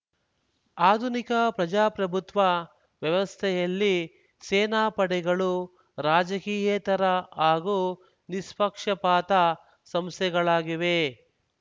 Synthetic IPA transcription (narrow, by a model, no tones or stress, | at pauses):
aːd̪ʱunikɐpɾɐd͡ʒaːpɾɐbʱut̪ʋɐ | ʋjɐʋɐst̪ʰɛjɐlːi | seːnaːpɐɽɛɡɐɭu | ɾaːd͡ʒɐkiːjɛːt̪ɐɾɐaːɡu | nispɐkʂɐpaːt̪ɐ | sɐmst̪ʰɛɡɐɭaːɡiʋe̞